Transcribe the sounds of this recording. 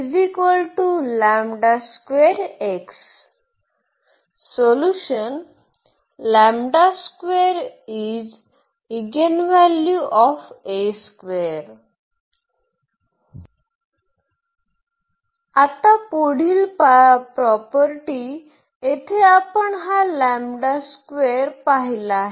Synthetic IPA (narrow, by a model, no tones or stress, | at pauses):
ifikʋəlʈulɛ̃mɖaskweɾeks | oluʃən | lɛ̃mɖaskʋeɾid͡z | iɡenʋɛljuʔɔfeskʋeɾ | at̪akoɽ̤iːlppɾɔpəɾʈi | et̪ʰeapəɳɦalæmɖaskʋeɾpaɦilaɦe